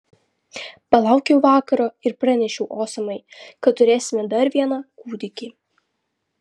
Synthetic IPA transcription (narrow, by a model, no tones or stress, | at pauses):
pɐlˠɑˑʊkʲɛʊʋɑːkɐɾoːɪɾpɾɑnʲɛʃʲɛʊʔoːsɐmɐɪkɐt̪t̪ːʊɾʲeːsʲɪmʲɛd̪ɐɾʋʲiɛnɑːkuːd̪ʲɪkʲiː